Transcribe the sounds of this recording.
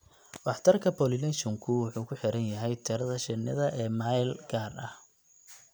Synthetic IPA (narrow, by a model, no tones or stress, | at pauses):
wɑħt̪ʰɐrkʰɐpʰɔlɪlɛʃɔŋkʰʊwɑħuːkʰʊħɪɾɐnjɐɦɛjt̪ʰɛɾɐðɐʃɪnːɪ̰ðɐʔɛːmaːjlɡaːrɐh